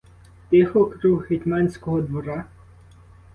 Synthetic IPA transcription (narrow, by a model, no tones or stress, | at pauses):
t̪ɪxɔkɾuɦhet̪ʲmɑnʲsʲkɔɦɔd̪ʋɔɾɑ